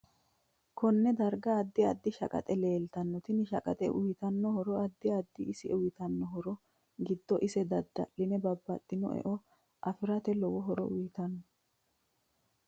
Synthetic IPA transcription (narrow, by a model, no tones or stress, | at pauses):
kɔnːɛd̪ɐɾɡɐːd̪ːɪɐd̪ːɪʃɐ̰kʼɐ̰t̪ʼɛleːlt̪ɐnːɔt̪ɪnɪʃɐkʼɐ̰t̪ʼɛʔʊjɪt̪ɐnːɔhɔɾɔɐd̪ːɪɐd̪ːɪɪsɪʊjɪt̪ɐnːɔɦɔɾɔ | ɡɪd̪ːɔʔɪsɛd̪ɐd̪ːɐ̰ʔɪnɛbɐbːɐt̪ʼːɪnɔ̰ʔɛ̰ʔɔ | ʔɐfɪɾɐt̪ɛlɔwɔɦɔɾɔ̰ʔʊjɪt̪ɐnːɔ